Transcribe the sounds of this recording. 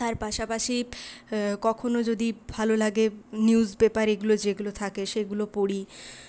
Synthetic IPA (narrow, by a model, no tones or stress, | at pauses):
t̪aɾpaʃapaʃi | kɔkʰonod͡ʑod̪ibʱalolaɡeniuzbepaɾeɡulod͡ʑeɡulot̪ʰakeʃeɡulopoɽi